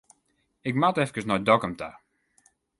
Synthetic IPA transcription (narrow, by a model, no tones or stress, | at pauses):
ɪkmatɛfkəsnɔjdɔkəmta̰